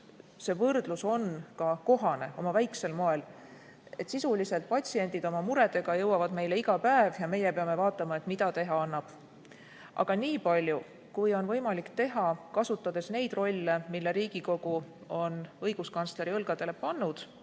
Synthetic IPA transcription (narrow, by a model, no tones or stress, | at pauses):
se̞vɤrd̪̥luso̞nkɑko̞ɦɑne̞o̞mɑvæjkse̞lmo̞e̞l | e̞t̪ːˑsisulise̞lt̪̚pɑt̪ʲsie̞nʲd̪̥id̪̥o̞mɑmuɾe̞d̪̥e̞ɡ̥ɑjɤwɑvɑd̪me̞jle̞iɡ̥ɑpæevjɑme̞jepe̞ɑme̞vɑːt̪ːˑɑmɑe̞t̪mid̪̥ɑt̪e̞ɦɑɑnːɑb̥ | ʔɑ̰ɡ̥ɑniːpɑlʲju | kujo̞nvɤjmɑlikt̪e̞ɦɑkɑsut̪ːˑɑd̪̥e̞sne̞jd̪ro̞lʲːemilːe̞ɾiːɡ̥iko̞ɡ̥uo̞nɤjɡ̥uskɑnst̪le̞ɾiɤlɡ̥ɑd̪̥e̞le̞pɑnːud̪̥